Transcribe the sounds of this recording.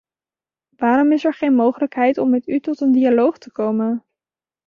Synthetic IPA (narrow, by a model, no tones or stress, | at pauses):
ʋaːɾɔmɪsɛɹχejnmowχələkɦɛjtɔmːɛtytɔtəndialowχtəkowmən